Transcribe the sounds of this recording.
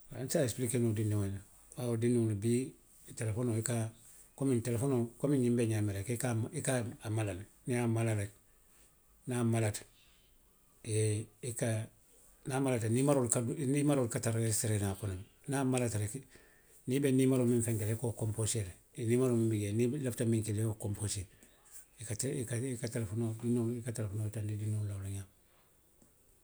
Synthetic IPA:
a̰nsaesplikenodinːuŋena | waodinːuŋnibi | telefonoika | komintelefonokomiɲimbeɲameɾekikamikaamalal | niamalalek | namalat | jeika | namalatanimaɾolkadunimaɾolkataɾeseɾenapunan | namalataɾek | nibenimaɾomiɱfeŋkelekokomposele | nimaɾumibiɡenilaftamiŋkilekokompose | ikatikaikatelefonodinoikatelefonoːtandidinolawloɲaːm

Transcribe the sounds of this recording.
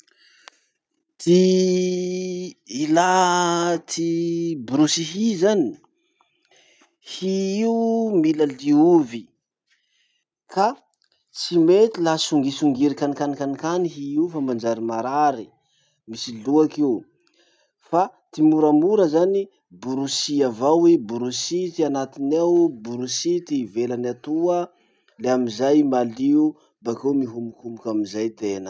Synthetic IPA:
t̪i | ila | t̪ʰibɾusiɦizani̥ | hiiumilaliuvi | ka | t͡simet̪ilasuŋɡisuŋɡiɾikanikanikanikaniɦiiufamand͡ʒaɾimaɾaɾi | misiluakeu | fat̪imuɾamuɾəzani | buɾusiavawebuɾusit̪ianat̪inewbuɾusit̪ivelanat̪uə | leamizajmaliu | bakemiɦumukumukamizajt̪enə̥

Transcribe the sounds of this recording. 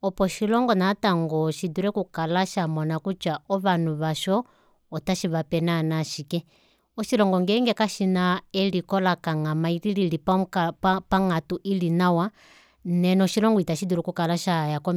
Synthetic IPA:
ɔpɔʃilɔŋɡɔnataŋɡɔʃiduɾɛkukalaʃamɔnakut͡ʃaɔβanuβaʃɔː | taʃiβapɛnanaʃikɛ | ɔʃilɔŋɡɔŋɡɛŋɡɛkaʃinaɛlikɔlakaŋamailililip | paŋatuʔilinawa | nɛnɔʃilɔŋɡɔitaʃiduɾɛkukalaʃajakɔ

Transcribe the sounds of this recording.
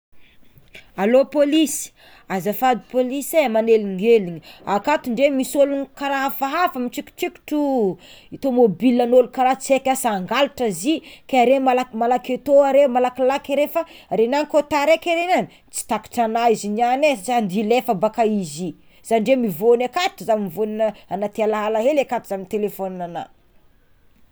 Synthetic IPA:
alopolisi̥ | azafad̪i̥polisemaneliŋɡeliɲiakat̪uɳɖ͡ʐemisolunkaɾafaɦafəmit͡ʃikʲi̥t͡ʃiki̥ʈ͡ʂu | it̪omobilanolukaɾat͡sekʲasaŋɡaluʈ͡ʂazikaɾemalamalaket̪oaɾemalakilakaɾefaɾenaŋikot̪aɾekeɾenani | t͡si̥t̪aki̥ʈ͡ʂanaizinanet͡sand̪ilefəbakaizi | z̥aniɳɖ͡ʐemivonakat̪ʈ͡ʂəzamimvoninəanat̪ialaɦalaɦelekat̪uzaminit̪elefonnana̰

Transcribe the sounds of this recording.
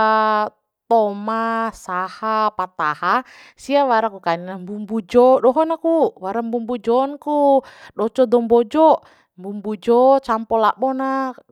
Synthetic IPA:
t̪ɔmasahapat̪aha | siawaɾakukaninambumbud͡ʒɔdɔɦɔnakuwaɾambumbud͡ʒɔnkudɔt͡ʃɔdɔmbɔd͡ʒɔ | mbumbud͡ʒɔt͡ʃampɔlaʔbɔna

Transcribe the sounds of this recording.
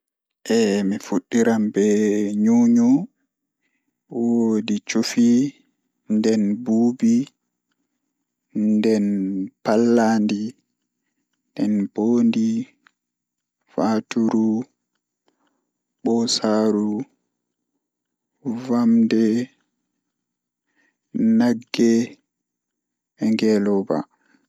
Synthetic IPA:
ʔɛmifuɗːiɾambɛɲuːɲu | wodit͡ʃufi | ndɛnbuːbi | ndɛnpalːandi | ndɛnb̥oːndi | fatuɾu | ɓɔsaːɾu | vamdɛ | naɡːɛ | ɛŋɡɛlɔba̰

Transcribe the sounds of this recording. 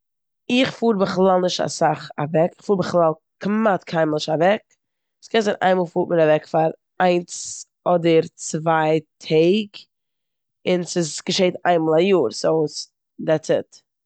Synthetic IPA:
ɪχfuːɾbəχlˠalˠnɪʃta̰saχavɛkɪ̥χfuːɾbəχlˠalˠ | kmatkʰaɪmlˠɪʃavɛk | skɛnzaɪnʔa̰ɪmɔlˠfuːtmɪɾavɛkfaɾ | aɪns | ɔdəɾt͡svaɪtʰeɪɡ | ɪnsɪsɡ̥əʃeɪta̰ɪnmalˠajuːɾsoʊs | dɛt͡sət

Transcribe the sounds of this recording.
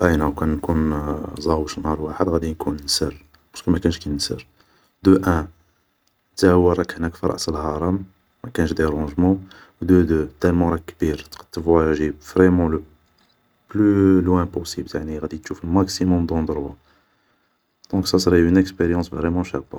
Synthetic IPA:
ʔæjnæwkænnːkunzˤɑwəʃnɑɾwaħəd̪ɣæd̪inkunnsəɾ | pɑ̥skəmækænəʃkænnsə̰ɾ | d̪əʔæ̃ | t̪æhwəɾˤɑkhnækfiɾˤɑ̰ʔsəlhɑɾˤɑm | mækænəʃd̪eɾɑ̃ʒmɑ̃ | wd̪əd̪øt̪ælmɑ̃ɾˤɑkːbiɾt̪qt̪ːəvwæʒibvʁɛmɑ̃lə | plylwæ̃posibljaʕniɣæd̪it̪ʃuflmaksimɔmd̪ɑ̃d̪ɾwa̰ | d̪̥ɔ̃ksɑsɾiynəkspeɾjɑ̃svʁɛmɑ̃ʃæbːɑ̃

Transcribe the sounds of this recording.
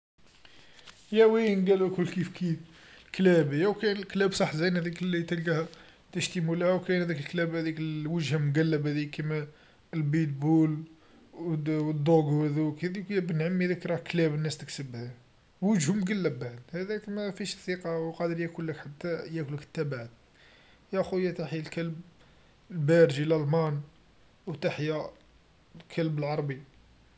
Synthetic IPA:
jæwinɡælækʊlkifkifklæbəjæwkænəlklæbsˤɑħːzæjnhæd̪iklːit̪əlɡæhæ | t̪əʃt̪imulæhæwkænhæd̪ikəlklæbhæd̪ikwəʒhæmɡælːəbhæd̪ijːkimæ | lbit̪̚bul | əd̪ˤːoɡuæðukæd̪ikːæbənʕamːiðækɾˤɑklæbənːæst̪əksəbhæ | wəʒhʊmɡælːəbːaʕd̪hæd̪ækmæfiʃsiqɑwqɑd̪əɾjækulːəkħat̪ːæjækʊlːəkə̥t̪ːæbaʕt̪̚ | jæxujæt̪aħjlkælb̚ | lbæɾʒillmɑn | wt̪aħja | lkʰælbəlʕɑɾˤbi

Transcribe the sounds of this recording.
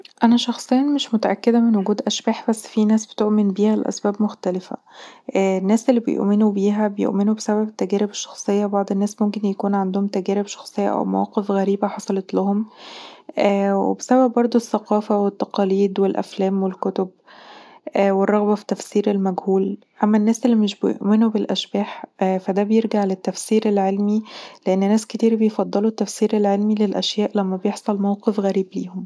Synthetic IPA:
ʔænæʃɑxsˤejːnmeʃmot̪æʔæ̰kːed̪æmenwoɡuːd̪ʔæʃbæːħbæsːfinæːsb̥e̥t̪oʔmenbiːhælʔæ̰sbæːbmoxt̪ælefæ̰ʔnːæːsʔelːibḛjo̰ʔmenubiːɦæbejo̰ʔmenubesæβæbt̪ːæɡæːɾebeʃːɑ̥xsˤejːɑbɑʕd̪ˤenːæːsmomkenjækuːnʕand̪ohomt̪æɡæːɾebʃɑ̥xsˤejːɑ̰ʔæ̰wmæ̰wæ̰ːqefɣæɾiːbæħɑsˤɑlɑt̪lɑhom | ʔæːwḛbesæbæbːɑɾˤd̪ˤoesːæqɑːfæwet̪ːɑqɑːliːd̪welʔæ̰flæːmwelkot̪ob̚ | ʔwerˤːɑɣbɑfi̥t̪ːæfsiːɾelmæɡhuːl | ʔæmːænːæːsʔelːimeʃbejo̰ʔmenubelʔæʃbæːħfæd̪æbejeɾɡaʕlæt̪ːæfsiːɾelʕelmileʔenːnæːsket̪iːɾbejfɑd̪ˤːelut̪ːæfsiːɾelʕelmilelʔæ̰ʃjæːʔlæmːæbejeħsˤɑlmæwqefɣæɾiːblḭːhom

